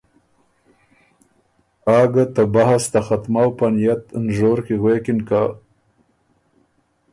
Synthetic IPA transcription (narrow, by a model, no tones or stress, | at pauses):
ɑːɡat̪abahast̪axat̪mawpanijat̪nʒoːɾkeɣwekɪnka